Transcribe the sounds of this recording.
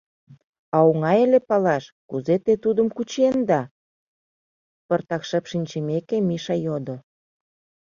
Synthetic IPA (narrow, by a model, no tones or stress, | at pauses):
ɑoŋɑjelepɑlɑʃkuzet̪et̪ud̪əmkut͡ɕend̪ɑ | pərt̪ɑkʃəpʃinʲt͡ɕemekemiʃɑjod̪o